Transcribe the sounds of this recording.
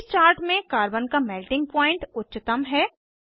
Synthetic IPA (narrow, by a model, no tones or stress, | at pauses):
st͡ʃaːɾʈmẽkaːɾbənkamɛːlʈɪ̃ŋɡ̚pɔːɪ̃ɳʈʊtːt͡ʃɪt̪əmɦɛː